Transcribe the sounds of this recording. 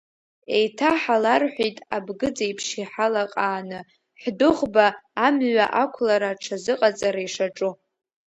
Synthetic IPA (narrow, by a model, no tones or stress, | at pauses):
e̞jtʰaħalarħʷᶣijtʼabɡɨd͡zajpʰʂiħalaqʼaːnɨ | ħdɨʁbaːmɥʷaʔakʷʰlaɾaʈ͡ʂʰazɨqʼat͡sʼaɾaiʂaʈ͡ʂʼu